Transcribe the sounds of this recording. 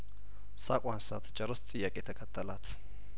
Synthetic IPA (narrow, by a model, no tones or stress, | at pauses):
sakʼansat̪t͡ʃʼɐɾəst͡sʼɨjːakʼet̪ʰəkʰət̪ʰːəlat̪